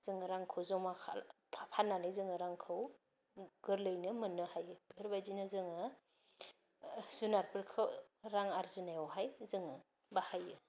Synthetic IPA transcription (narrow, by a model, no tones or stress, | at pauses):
z̥ɯŋɯɾaŋkʰɯwzɔmakʰa̰pʰapʰanːanɯjzɯŋɯɾaŋkʰɯw | ɡɯɾlɯjnɯmɯnːɯhajɯbiɾbajd͡ʒinɯzɯŋɯ | sunaɾpʰɯɾkʰɯɾaŋaɾzinajɔwɦajzɯŋɯ | bahajɯ